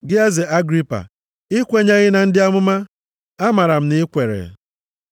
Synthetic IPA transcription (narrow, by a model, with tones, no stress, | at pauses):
ɡɪ˦a˦zɪ˨a˦ɡɾi˦pa̰˨ | ɪ˦kʷe˦ɲa˦ɣɪ˦na˨n̩˦dɪ˦a˦mʊ˦ma˦ | a˦ma˨ɾa˨m̩˨nɪ˦kʷe˨ɾḛ˨